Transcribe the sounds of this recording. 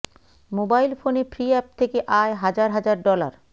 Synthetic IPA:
mobajlfonefʰɾiɛp̚t̪ʰekeʔaeɦad͡ʑaɾɦad͡ʑaɾɖɔla̰ɾ

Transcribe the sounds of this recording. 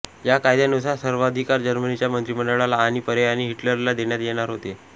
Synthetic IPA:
jakajd̪anusasəɾʋad̪ʱikaɾd͡ʑəɾmənit͡ɕjamənt̪ɾiməɳɖəɭalaːɽ̃ipəɾeaɽ̃iɦiʈləɾlad̪eɳjat̪jeɽ̃aɾɦot̪e

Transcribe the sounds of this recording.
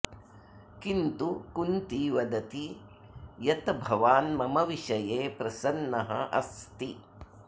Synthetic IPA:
kint̪ukunt̪iʋɐd̪ɐt̪i | jɐt̪ɐbʱɐʋaːnmɐmɐʋiʃɐjeːpɾɐsɐnːɐɦɐ̰ʔɐ̰st̪i

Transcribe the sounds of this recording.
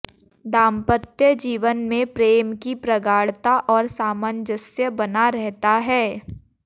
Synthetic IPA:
d̪ãːmpət̪jəd͡ʒiːʋənmẽpɾeːmkipɾɐɡaːɽt̪aʔɔːɾsaːmənd͡ʒəsjəbɐnaɾɛɦt̪aɦɛː

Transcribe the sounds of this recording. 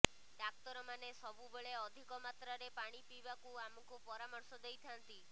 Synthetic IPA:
ɖak̚t̪ɔɾɔmanesɔbubeɭeɔd̪ʱikɔmat̪ɾaɾepaɽ̃ipibakuamɔkupɔɾamɔɾsɔd̪ejt̪ʰant̪i

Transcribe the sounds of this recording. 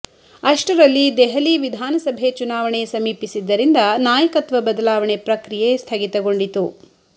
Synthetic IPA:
ɐʂʈɐɾɐlːid̪ɛɦɐliʋid̪ʱaːnɐsɐbʱet͡ʃunaːʋɐɳesɐmiːpisid̪ːɐɾind̪ɐnaːjɐkɐt̪ʋɐbɐd̪ɐlaːʋɐɳepɾɐkɾijest̪ʰɐɡit̪ɐɡo̞ɳɖit̪u

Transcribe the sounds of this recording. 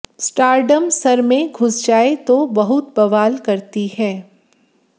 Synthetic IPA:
sʈaːɾɖəmsɐɾmẽɡʱʊsd͡ʒaːet̪obɐɦʊt̪̚bɐʋaːlkɐɾt̪iɦɛː

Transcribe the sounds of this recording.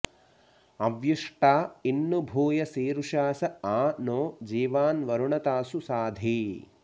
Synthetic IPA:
ɐʋjuʂʈaːinːubʱuːjɐsiːɾuʃaːsɐaːnoːd͡ʒiːʋaːnʋɐɾuɳɐt̪aːsusaːd̪ʱiː

